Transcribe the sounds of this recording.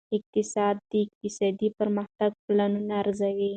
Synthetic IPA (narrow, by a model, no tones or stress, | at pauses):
ɪq̚t̪ɪsɑd̪̚ːəɪq̚t̪ɪsɑd̪ipəɾmaxt̪aɡ̚planunaːɾzawi